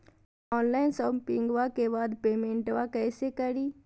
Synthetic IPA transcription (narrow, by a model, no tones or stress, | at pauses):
ɔːnlaːɪnsɔmpɪ̃ŋɡʋakebaːd̪peːmẽːɳʈʋakɛːsekɐɾiː